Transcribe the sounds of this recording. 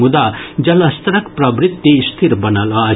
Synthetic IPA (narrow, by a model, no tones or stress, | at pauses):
mud̪ad͡ʒɐlɐst̪ɾɐkpɾɐbɾit̪ːist̪ʰiɾbɐnalɔː